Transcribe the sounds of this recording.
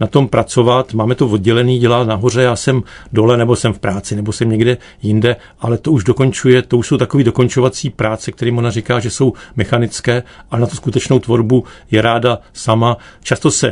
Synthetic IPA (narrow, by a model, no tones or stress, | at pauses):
nat̪o̞mpɾʔat͡so̞vat̪maːmɛt̪o̞vod̪ɟɛlɛniːɟɛlaːt̪naɦo̞rɛjaːsɛm | do̞lɛnɛbosɛmfpɾaːt͡sɪnɛbo̞sɛmɲɛɡdɛ | jɪndɛ | ʔalɛt̪o̞uʒdo̞ko̞nt͡ʃujɛt̪o̞uʃso̞wt̪ako̞viːdo̞ko̞nt͡ʃo̞vat͡siːpɾaːt͡sɛkt̪ɛɾiːmo̞narɪkaːʒɛso̞wmɛxanɪt͡skɛːʔaɛnat̪uskut̪ɛt͡ʃno̞wt̪vo̞ɾbujɛɾaːdasamat͡ʃast̪o̞sɛ